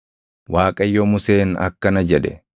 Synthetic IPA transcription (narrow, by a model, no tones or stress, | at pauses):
waːkʼɐjːomʊse̞ːnɐ̰kːɐnɐd͡ʒɛᶑɛ̰